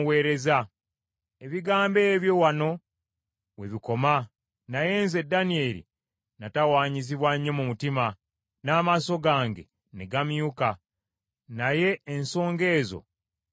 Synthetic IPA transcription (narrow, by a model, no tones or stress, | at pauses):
we̞ːɾe̞za | eβiɡaːmbe̞ːβjo̞wano̞ | we̞βiko̞ma | naje̞nze̞danie̞ːlḭ | natawaːɲiziβwaɲːo̞mumutima | naːmaso̞ɡaːŋɡe̞̰ | neɡamjuka | naje̞ːnso̞ːŋɡe̞ːzo̞̰